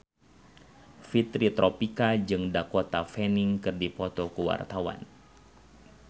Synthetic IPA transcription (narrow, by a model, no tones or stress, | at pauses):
fit̪ɾit̪ɾɔpikad͡ʒɨŋdakot̪afɛniŋkɨrdipɔt̪ɔkəwa̰rt̪awa̰n